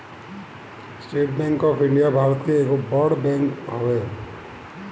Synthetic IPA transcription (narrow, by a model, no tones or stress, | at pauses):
sʈeʈ̚bɛ̃ŋkɔpʰiɳɖijabʱaɾt̪iekobɔɽbɛ̃ŋkɦɔe